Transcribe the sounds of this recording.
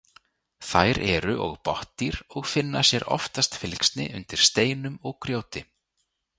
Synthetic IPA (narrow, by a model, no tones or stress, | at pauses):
θajɾɛɾʏʔɔ̰ɣpɔht̪iɾɔɣfɪnːasjɛɾʔɔ̰ft̪ast̪fɪlkst̪nɪ̰ʔʏ̰nt̪ɪɾ̥st̪eːjnʏmɔɣkɾjoːwt̪ɪ